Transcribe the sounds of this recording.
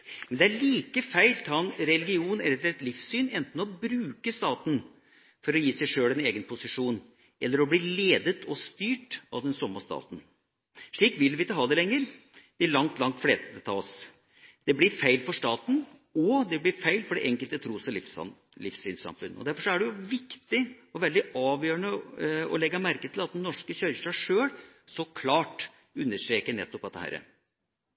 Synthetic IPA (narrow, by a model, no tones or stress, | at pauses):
mɛnd̪ɛæɭiːkəfæɪlt̪ʰɑːnɾɛlɡɪuːnɛlːəɾɛt̪lɪfsyːnɛnt̪n̩ɔbɾʉːkəst̪ɑːt̪n̩ | fɔɾɔjiːsɛɪʂøːlɛneːɡənpʰʊsɪʂuːn | ʔɛlːəɾɔbliːleːd̪ət̪ʰɔst̪yːʈɑ̰ʋd̪ɛnsɔmːəst̪ɑ̰ːt̪n̩ | ʂɭiːkʋɪlːʋɪɪt̪ːəɦɑːd̪ɛlɛŋːəɾ | d̪̥ɪɭɑŋt̪lɑŋt̪fleːst̪əd̪ət̪ʰɑ̰ːs | d̪̥ɛblɪɾfæɪlfɔʂt̪ɑːt̪n̩ɔd̪ɛblɪɾfæɪlfɔɖɛʔɛŋkəlt̪ət̪ʰɾuːsɔlɪfs | lɪfsḭːnsɑ̰mfʉ̰nːɔ̰d̪æɾfɔʂɔæɖɛjʊʋɪkt̪ɪɔʋɛld̪ɪɑːʋjøːəɳəɔ̰lɛɡːɑmæɾkət̪ʰɪlɑt̪̚d̪ɛnːɔʂkəɕœʏʂʈɑʂøːl | sɔkʰlɑːʈ | ʉnːəʂt̪ɾeːkənɛ̰t̪ːɔpɑt̪ːəhæ̰ːɾə̰